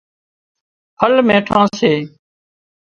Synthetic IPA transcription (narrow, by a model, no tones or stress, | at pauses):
həlmẽːʈʰãːseː